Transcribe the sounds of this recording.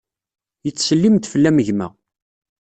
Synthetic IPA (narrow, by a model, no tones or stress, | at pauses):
jət͡sːsəlːimt̪fəlːæməʝmæ̰